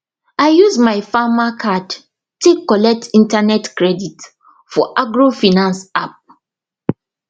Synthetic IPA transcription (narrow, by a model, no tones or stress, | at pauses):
aɪjuzmaɪfamakʰad | tekːɔlɛk̚tʰĩntanɛtkɹɛdit | fɔʔaɡɹofinãnsap̚